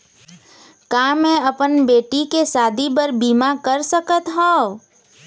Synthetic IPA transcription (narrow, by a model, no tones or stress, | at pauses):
kaːmɛ̃ɐpənbeːʈikesaːd̪ʱipəɾbiːmakəɾsəkət̪ɦõː